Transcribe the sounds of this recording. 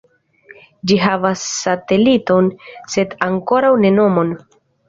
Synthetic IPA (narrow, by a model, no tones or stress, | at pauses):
d͡ʒiɦavasːate̞lito̞nse̞daŋko̞ɾawne̞no̞mo̞n